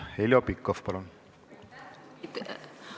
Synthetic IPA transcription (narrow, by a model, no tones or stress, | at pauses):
helʲjopikːofpɑlun